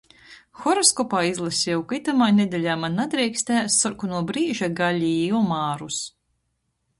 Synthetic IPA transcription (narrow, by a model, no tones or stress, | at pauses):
xɔɾɔskɔpaːizlˠasʲjɛwkit̪amaːjned̪ʲɛlʲaːmanːad̪ɾɛjksʲt̪ʲæːst̪ːɔɾkunuɔbɾiːʒaɡalʲijɔmaːɾus